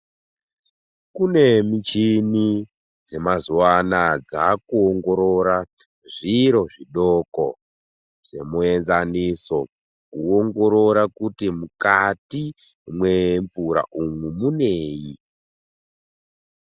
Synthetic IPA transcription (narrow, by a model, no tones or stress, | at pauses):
kune̞mit͡ʃini | d͡ze̞mazuwanad͡zakuoŋɡo̞ɾo̞ɾa | ʐiɾo̞ʐiɗoko̰ | ʐe̞̰mue̞nzaniso̞ | kuoŋɡo̞ɾo̞ɾakutimukati | mwe̞ɱvuɾa̰ʔumumuneːji